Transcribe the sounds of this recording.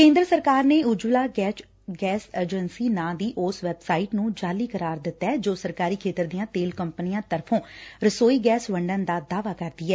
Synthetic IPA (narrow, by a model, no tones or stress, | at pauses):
kẽːnd̪ɾəsəɾkaːɾneːʊd͡ʒuːlaːɡɛːt͡ʃ | ɡɛːsəd͡ʒənsiːnãːd̪iːʔʊsʋɛbsaːɪʈnũːd͡ʒaːliːkəɾaːɾd̪ɪt̪ːɛːd͡ʒoːsəɾkaːɾiːkʰeːt̪əɾd̪ijãːt̪eːlkəmpənijãːt̪əɾpʰõːɾəsoːiːɡɛːsʋəɳɖənd̪aːd̪aːʋaːkəɾd̪iːɛː